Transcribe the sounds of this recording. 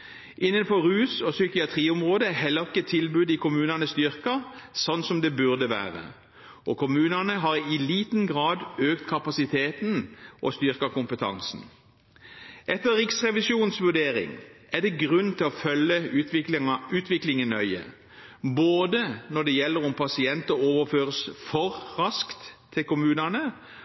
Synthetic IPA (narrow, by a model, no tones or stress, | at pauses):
ʔɪnːənfɔʁʉːsɔsʏkɪɑt̪ʰʁiːʊmʁoːd̪əæɦɛlːəʁɪkːət̪ʰɪlbʉːd̪ɪkʰʊmʉːnɑnəst̪ʏʁkəsɔnsɔmd̪ɛbʉʁd̪əʋæ̰ːʁə̰ | ʔɔkʰʊmʉːnɑnəɦɑʁɪliːt̪n̩ɡʁɑːd̪øːkt̪kʰɑpɑsɪt̪ʰeːt̪nʔo̰st̪ʏʁkɑkʰʊmpət̪ʰɑ̰ŋsn̩ | ʔɛt̪ːəʁɪksʁɛʋɪsjuːnsʋʉɖ̪eːʁɪ̰ŋ | æd̪ɛɡʁʉnːt̪ʰɪlɔfœlːəʉ | ʉːt̪ʰʋɪklɪŋənœʏə̰ | boːd̪ənɔd̪ɛjɛlːəɾʊmpʰɑsɪɛnt̪əoːʋəføːʁəsfɔʁʁɑskt̪ʰː | ɪlkʊmʉːnənə